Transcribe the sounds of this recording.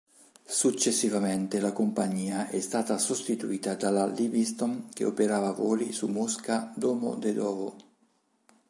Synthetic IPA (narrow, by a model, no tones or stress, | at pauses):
sut͡ʃːesːivament̪elakompaɲːiːaʔɛst̪aːt̪asost̪it̪uiːt̪ad̪alalibist̪ɔnk̟ḛo̰peɾaːvavɔːlisumːuskad̪ɔːmo̰d̪ed̪ɔːvo